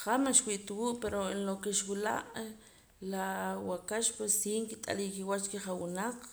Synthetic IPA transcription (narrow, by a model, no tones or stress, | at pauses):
χamanʃwiʔt̪wuʔpeɾoenlokeʃwila̰ʔ | lawakaʃpwesiːŋkit̪ʼa̰likiwat͡ʃt͡ʃkeχawinaq͡χ